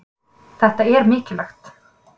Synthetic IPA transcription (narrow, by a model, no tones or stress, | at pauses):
θɛht̪aɛɾmɪːcɪlaxt̪